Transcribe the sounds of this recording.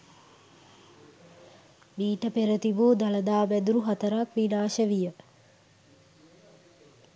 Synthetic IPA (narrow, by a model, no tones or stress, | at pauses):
miːʈəpeɾət̪ibuːd̪aləd̪aːbæd̪uɾuɦat̪əɾakʋinaːʃəʋijə